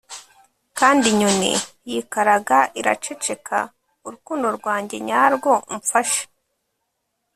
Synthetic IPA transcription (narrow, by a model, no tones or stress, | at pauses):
kaːndiɲonḭjikaɾaɡaʔiɾa̰t͡ʃe̞t͡ʃe̞kʰa̰ | uɾukuːndo̞ɾɡwaːɲɟe̞ɲaːɾɡo̞ɱfaʃe̥